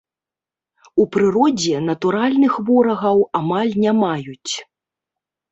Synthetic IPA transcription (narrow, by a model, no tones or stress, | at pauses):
upɾɨɾɔd͡zʲɛnɐt̪uɾalʲnɨxvɔɾɐɣɐwamalʲnʲamajut͡sʲ